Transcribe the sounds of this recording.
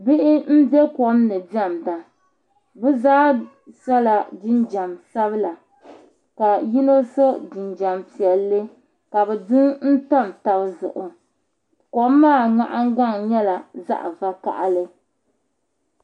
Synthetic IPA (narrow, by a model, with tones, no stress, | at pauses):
bɪ˦ʔɪ˦n̩˦bjɛ˦kɔ˨˦mnɨ˨bɛ˦˨mda˨ | bɛ˦zaː˦ | sa˦la˨d͡ʒɪ˦nd͡ʒa˨msa˦bɨ˦la˨ | ka˨ji˦no˦so˦d͡ʒɪ˨nd͡ʒa˨mpi˨ɛ˨lːɨ˦ | ka˨bɛ˨dɨ˦ŋn̩˦ta˦˨mta˨bzʊ̰˨ʔʊ˨ | kɔ˨mː˦aː˦˨ŋa˦ʔa˦ŋ˦ɡ͡ba˦ŋɲɛ˦la˨za̰˦ʔva˦ka̰˨ʔa˦lɨ˦